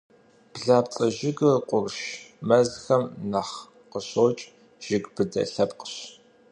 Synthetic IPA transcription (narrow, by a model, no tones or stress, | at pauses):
b̥ɮaːpt͡sʼɐʒɪɡɨrqʷʼʊrʃmɐzxɐmnɐχ | qəɕoːt͡ʃʼ | ʒ̥ɪɡb̥ɨdɐ̰ɬɐpqə̥ɕ